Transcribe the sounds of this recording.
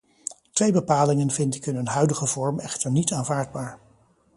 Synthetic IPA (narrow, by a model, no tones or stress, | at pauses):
tʋejbəpaːlɪŋənvɪntɪkɦɵnənɦœɥdəχəvɔɹmɛχtəɹnitaːnvaːɹdbaːɹ